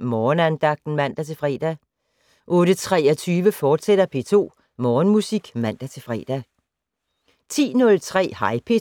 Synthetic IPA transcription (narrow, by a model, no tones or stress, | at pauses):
mɒːnænd̥ɑ̈ɡ̥̚d̥n̩mæn̰d̥æt͡sʰe̝lfʁɛ̰ːd̥æ | ʔɔ̽ːd̥ət͡sʰʁɛɐt͡sʰyːʋəfɒːd̥sed̥ɐpʰe̝̰ːt͡sʰo̝̰ː | mɒːnmusiɡ̥mæn̰d̥æt͡sʰe̝fʁɛ̰ːd̥æ | t͡sʰḭːnɔ̽lt͡sʰʁɛ̰ːhɑ̈ɪpʰe̝